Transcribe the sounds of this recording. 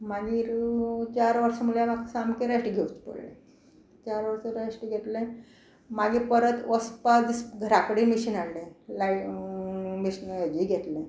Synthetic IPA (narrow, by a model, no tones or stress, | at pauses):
maɡiːɾt͡ɕaɾʋəɾsəmulamaksamkeɾasʈiːɡʱeut͡spə̰ɽlḛ̃ | t͡ɕaɾʋəɾsəɾasʈiːɡʱet̪lẽ | maɡiːpəɾət̪ʋəspad̪isɡʱəɾakəɽemiɕiːnaɽlẽlai | miɕnaɡiɡʱet̪lẽ